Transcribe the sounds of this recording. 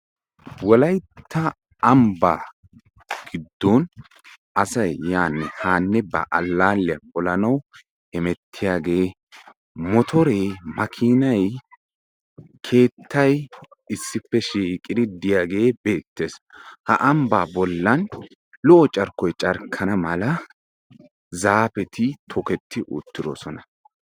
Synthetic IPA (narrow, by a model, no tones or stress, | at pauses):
wɔlɐjt̪ʰːɐ | ɐmba̰ː | ɡ̥ɪd̪ːɔn | ʔɐsɐjːaːnːɛhaːnːɛbɐ̰ʔɐlːaːlːɪɐpɔlɐnɐw | ɛmɛt̪ʰːɪjaːɡe̞ː | mɔt̪ʰɔɾemɐkʰiːnɐj | kʰe̞ːt̪ʰːɐj | ɪsːɪpːɛʃiːkʼːɪd̪ɪd̪ɪjaːɡe̞ːbe̞ːt̪ːe̞ːshɐ̰ʔɐmbaːbɔlːɐn | lɔʔɔt͡ʃʼɐɾkːɔjt͡ʃʼɐɾkʰɐnɐmɐlɐ | zaːpɛt̪ɪt̪ʰɔkɛt̪ʰːɪʔʊ̰t̪ːɪd̪ɔ̰sɔnɐ